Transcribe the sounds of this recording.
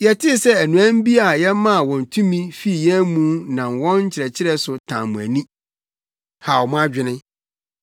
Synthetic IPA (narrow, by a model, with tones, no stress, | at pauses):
jɛ˨tʰɪ˦sɛ˦æ˨nũ˨æ̃˦m̩˦bi˦a˨jɛ˦mã˦˨wɔ̃˨n̩˨tʰũ˦mĩ˦fi˦˨jɛ˦mũ˦nã˨mwɔ̃˦nɲ̩˦t͡ɕʰɪ˨ɾɛ˨t͡ɕʰɪ˦ɾɛ˦sʊ˨tʰã̰˨mũ˨æ˨nĩ˦ | ha˨wɔ˨mʊ̃˦a˦d͡ʑᶣɪ˦nɪ̃˦